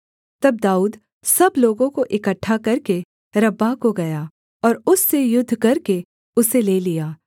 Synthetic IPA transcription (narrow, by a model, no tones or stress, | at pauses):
t̪ɐb̚d̪aːuːd̪ | sɐbloːɡõkoʔɪkəʈʰːakɐɾke | ɾɐbːakoɡɐjaː | ɔːɾʊsːejʊd̪ʱːkɐɾke | ʊseleːlijaː